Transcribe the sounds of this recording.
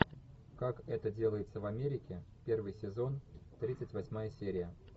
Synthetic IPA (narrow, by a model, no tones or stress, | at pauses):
kakɛt̪ədʲe̞lˠəjɪt̪səvɐmʲeɾʲɪkʲɪpʲervɨjsʲɪzo̞nt̪ɾʲit̪sɨtʲvɐsʲmajəsʲeɾʲɪjə